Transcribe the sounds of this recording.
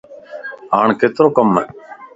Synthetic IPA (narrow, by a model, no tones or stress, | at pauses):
aːɳkeːt̪ɪɾõːkəmːɛː